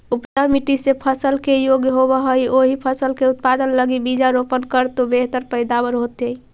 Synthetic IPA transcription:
upd͡ʒamiʈisepʰəsəlkejoɡjɦobəɦəjoɦipʰəsəlkeut̪̚pad̪ənləɡibid͡ʒaɾopənkəɾt̪obeɦt̪əɾpəjd̪abəɾɦot̪əj

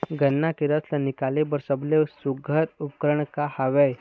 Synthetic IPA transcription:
ɡʱənːakiɾət̪lənikalebəɾsəblesuɡʱəɾupkɾəɳkahaʋej

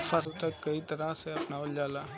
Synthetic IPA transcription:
fasut̪əkːəit̪əɾaseɐpnaʋəld͡ʒaːla

